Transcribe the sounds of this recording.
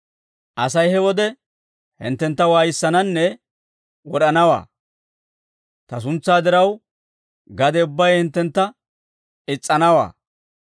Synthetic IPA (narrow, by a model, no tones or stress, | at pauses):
ʔɐsɐjhɛwɔd̪ɛ | hɪ̰nt̪ːɛnt̪ːɐwaːjɪsːɐnɐnːɛ | wɔɗɐnɐwa̰ː | t̪ɐs̬ʊnt͡sːaːd̪ɪɾɐw | ɡɐd̪ɛʊbːɐjhɪnt̪ːɛnt̪ːɐ | ɪt͡sʼːɐnɐwa̰ː